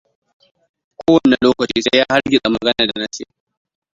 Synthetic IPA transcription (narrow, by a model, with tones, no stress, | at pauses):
kʷoː˦wɐ˨ne˨loː˦kɐ˨t͡ʃiː˦sa˦jaː˦ha˦ɽɡʲɪ˨ɗʼa˨mɐ˨ɡɐ˦nɐ˨da˨na˦sɪ˦ja˨